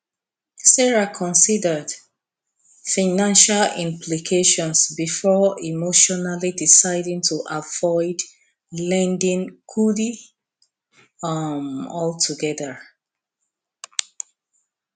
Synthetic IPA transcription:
sɛɹakʰɔ̃nsidə˞d | faɪnãnʃalḭ̃mpʰlikʰeʃɔ̃nsbifɔimoʃɔnalidisaɪdĩŋtʰuʔavɔɪd | lɛ̃ndɪ̃ŋkʰudi | ʌmɔltʰuɡɛðə

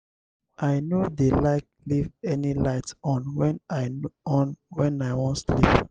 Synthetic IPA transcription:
ʔaɪnodelaɪk̚livɛnilaɪtɔ̃nwɛ̃naɪɔ̃nwɛ̃naɪwɔ̃ntslḭp

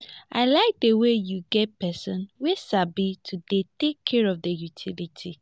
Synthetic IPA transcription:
ʔaɪlaɪk̚dəwejuɡɛt̚pɛsɔ̃nwisabitʰudetekʰːɛɹɔvdəjutʰilitʰi

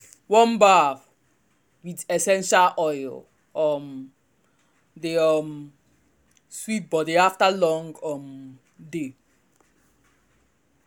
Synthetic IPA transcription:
wɔ̃nbav | widɛsɛ̃nʃalʔɔjl | ɔm | deɔm | swit̚bɔdiaftalɔ̃ŋɡɔm | de

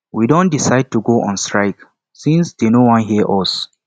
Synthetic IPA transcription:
widõndisaɪd̚tuɡoʔɔ̰̃nstɹaɪk | sĩnsdenowɔ̃nɦiəʔɔs

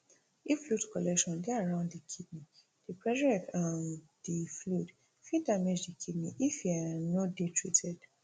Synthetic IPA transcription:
iflutkɔlɛkʃɔ̃ndeaɹãʊ̃ndikʰid̚ni | d̥ipɹɛd͡ʒɛkãn | diflut | fidamed͡ʒdikʰidniʔifianodetʰɹitʰɛd̥

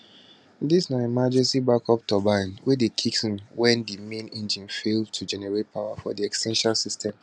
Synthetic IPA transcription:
disnaɛmad͡ʒɛ̃nsibakʰɔp̚tʰɔbãnwedekʰiksĩnwɛ̃ndimẽnẽnd͡ʒĩnfeltʰud͡ʒɛnɛɹet̚pʰaʊwafɔdiɛkstʰɛ̃nʃalsistʰɛ̃m

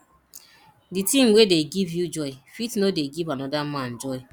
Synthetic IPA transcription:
ditĩmwedeɡivjud͡ʒɔɪfitnodeɡivãnɔdamãnd͡ʒɔɪ

